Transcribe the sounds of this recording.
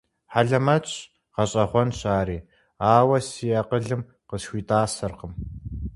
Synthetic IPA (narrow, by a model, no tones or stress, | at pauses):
ħaɮɐmɐt͡ɕʼ | qɐɕʼɐχʷɔnɕaːɾiː | aːwɐsijɐqəɮɨm | qəsxʷiːtʼaːsɐrqəm